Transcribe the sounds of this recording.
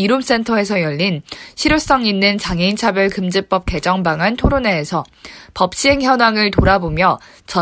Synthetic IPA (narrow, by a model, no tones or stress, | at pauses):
iɾoms͈entʰʌe̞sʰʌjʌʎːinɕʰiɾjos͈ʌŋinːɯnt͡ɕaŋeint͡ɕʰabjʌɭkɯmd͡ʑip͈ʌp̚k͈e̞d͡ʑʌŋbaŋɦantʰoɾoneːsʰʌ | pʌp̚ɕ͈iɦe̞ŋjʌnwaŋɯɭtoɾabomjʌ | t͡ɕʌ